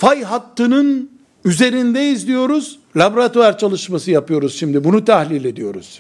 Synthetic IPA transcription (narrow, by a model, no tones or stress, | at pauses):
fajɦat̪ːɯnɯn | yze̞ɾind̪ɛizlʲijo̞ɾuz̥ | lʲabɾat̪oaɾt͡ʃʰalˠɯʃmasɯjapɯjo̞ɾuz̥ʃimd̪ibunut̪ʰahlʲilʲe̞d̪ijo̞ɾuz̥